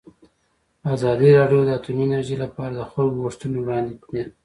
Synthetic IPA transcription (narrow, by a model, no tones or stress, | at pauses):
azɑd̪əɾɑɖjod̪əat̪uminaɾʒelapɑɾad̪əxoɣoʂt̪unowɽɑnd̪ine